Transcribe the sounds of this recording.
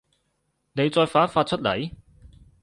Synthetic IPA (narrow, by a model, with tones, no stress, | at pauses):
ne˨˧jt͡sɔː˧jfaː˨˥nfaː˧t̚t͡ʃʰɵ˥t̚lɐ̰˨˩j